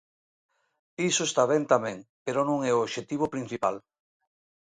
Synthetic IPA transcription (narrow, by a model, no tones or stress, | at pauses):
isoest̪aβɛnt̪amɛ̃ŋpeɾonõŋɛoːʃet̪iβ̞opɾin̟θipal